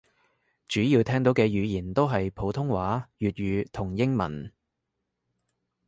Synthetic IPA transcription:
t͡ʃyː˨˥jiː˧wt̪ʰɛː˥ŋt̪o˨˥wkɛː˧jyː˨˧jiː˨˩nt̪o˥wɦɐ˨jpʰo˨˥wt̪ʰʊ˥ŋwaː˨˥jyː˨t̚ɥyː˨˧t̪ʰʊ˨˩ŋjɪ˥ŋmɐ̰˨˩n

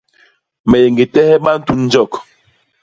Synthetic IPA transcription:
mɛ˨je˨ŋɡe˨tɛ˦hɛ˦ɓa˦n̩˦tu˦n̩˦d͡ʒɔ˦˨k

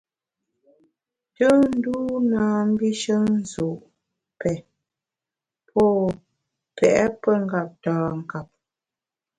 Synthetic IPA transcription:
tə˦n̩˦duː˦naː˨m̩˦bi˦ʃə˦n̩˦zu˨ʔ | pɛ˨ | pʰɔ˦˨ | pʰɛ˨ʔɛ˦pə˦ŋ̩˦˨ɡa˨p̚tãː˨ŋ̩˨ka˨p̚

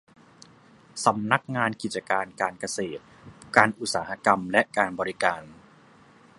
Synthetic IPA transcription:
sa˩˦mna˦˥k̚ŋaː˧nki˨˩t̪̚t͡ɕːa˧kaː˧nkaː˧nka˧seː˨˩t̪̚ | kaː˧nʔu˨˩t̪̚saː˩˦ha˧˥ka˧mlɛ˦˥ʔkaː˧nbɔː˧ɾi˦kaː˧n

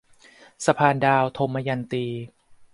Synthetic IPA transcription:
sa˧pʰaː˧ndaː˧wt̪ʰo˧mːaː˧ja˧nt̪iː˧

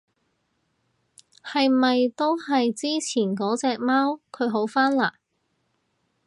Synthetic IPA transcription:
hɐ˨jmɐ˨jt̪o˥whɐ˨jt͡siː˥t͡sʰiː˨˩nkɔː˨˥t͡sɛː˧k̚maː˥wkʰɵ˨˧ɥɦo˨˥wfaː˥nlaː˨˩

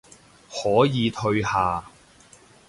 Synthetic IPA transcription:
hɔː˨˥jiː˨˧t̪ʰɵ˧ɥhaː˨

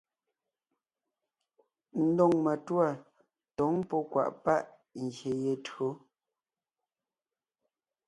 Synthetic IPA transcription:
n̩˦dɔ˦˨ŋma˨twa˦˨ | tɔ˨˦ŋpɔ˦kwa̰˨ʔpa˦ʔ | ŋ̩˨ɡje˨je˨tɰo˨˦

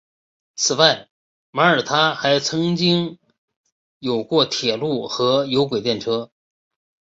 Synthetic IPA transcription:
t͡sʰɹ̩˨˩wa˥˩ɪ | ma˧˥ə˞˨˩t̪ʰa˥xa˧˥ɪt͡sʰɤ˧˥ŋt͡ɕi˥ŋ | jo˨˩ʊkwɔ˥˩t̪ʰjɛ˨˩lu˥˩xɤ˧˥jo˧˥ʊk̬we˨˩ɪt̪jɛ˥˩nʈ͡ʂʰɤ˥

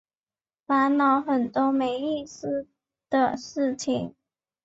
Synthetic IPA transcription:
fa˧˥nnɑ˧˥ʊxə˨˩nt̪wɔ˥me˧˥ɪi˥˩sɹ̩˥ | d̪̥ə˨ʂɻ̩˥˩t͡ɕʰi˨˩˦ŋ

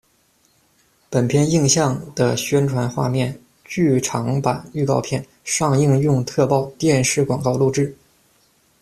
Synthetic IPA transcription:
pə˨˩npʰjɛ˥˧ni˥˧ŋɕjɑ˥˩ŋd̪ə˩ɕɥɛ˥nʈ͡ʂʰwa˧˥nxwa̰˥˧mjɛ˥˩n | t͡ɕy˥˩ʈ͡ʂʰɑ˧˥ŋpa˨˩ny˥˧kɑ˥˧ʊpʰjɛ˥˩n | ʂɑ˥˧ŋi˥˧ŋjʊ˥˧ŋt̪ʰɤ˥˧pɑ˥˧ʊt̪jɛ˥˧nʂɻ̩˥˩kwɑ˨˩ŋkɑ˥˧ʊlu˥˧ʈ͡ʂɻ̩˥˩

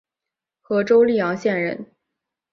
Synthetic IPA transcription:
xɤ˧˥ʈ͡ʂo˥ʊli˥˩jɑ˧˥ŋɕjɛ˥˧nɻə˥˩n

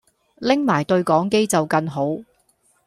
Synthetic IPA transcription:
lɪ˥ŋmaː˨˩jt̪ɵ˧ɥkɔː˨˥ŋke˥jt͡sɐ˨wkɐ˧ŋɦo˨˥w

